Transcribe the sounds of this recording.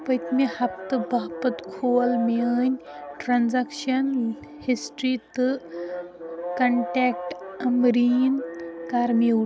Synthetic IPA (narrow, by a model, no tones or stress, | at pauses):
pəjt̪mihɐpt̪ɨbaɦpət̪kʰolmenʲʈɾãnd͡zakʃən | hisʈɾit̪ɨ | kɐɳʈɛk̚ʈɐmɾinkaɾmiu